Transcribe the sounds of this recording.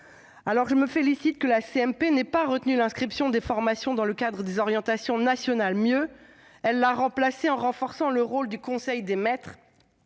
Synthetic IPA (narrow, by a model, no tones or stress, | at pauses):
alɔʁʒəməfelisit̪̚kəlaseɛmpenɛpaʁət̪nylɛ̃skχipsjɔ̃d̪efɔʁmasjɔ̃d̪ɑ̃ləkad̪ʁəd̪ezɔʁjɑ̃t̪asjɔ̃nasjɔnalmjø | ɛlːaʁɑ̃plaseɑ̃ʁɑ̃fɔʁsɑ̃ləʁold̪ykɔ̃sɛjd̪emɛt̪χ